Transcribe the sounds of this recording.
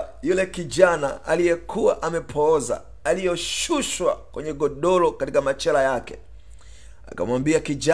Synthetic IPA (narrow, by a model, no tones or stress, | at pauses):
julɛkiʄanaalijɛkʰuwaʔamɛpʰɔːza̰ | alijɔʃuʃwa̰kwɛɲɛɡɔɗɔlɔkatikamat͡ʃɛlajakɛ̰ | a̰ka̰mwambiakiʄa